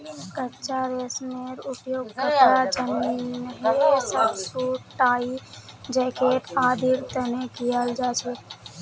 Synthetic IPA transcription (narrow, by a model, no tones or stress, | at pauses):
kət͡ʃaɾesmeɾupjoɡkəɾad͡ʒənːinəɦetesatsuʈaːid͡ʒɛkeʈad̪iɾt̪ənekijald͡ʒat͡ʃʰe